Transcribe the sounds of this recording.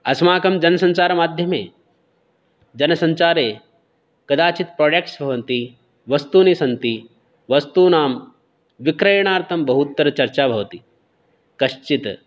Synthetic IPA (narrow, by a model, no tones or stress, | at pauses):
ɐsmaːkɐmd͡ʒɐnɐsɐ̃ɲt͡ʃaːɾɐmaːd̪ʱjɐmeː | d͡ʒɐnɐsɐɲt͡ʃaːɾeː | kɐd̪aːt͡ʃit̪̚pɾoːɖek̚ʈsbʱɐʋɐnt̪i | ʋɐst̪uːnisɐnt̪i | ʋɐst̪uːnaːm | ʋikɾɐjɳ̃aːɾt̪ʰɐmbɐɦut̪ːɐɾɐt͡ʃɐɾt͡ʃaːbʱɐʋt̪i | kɐʃt͡ʃit̪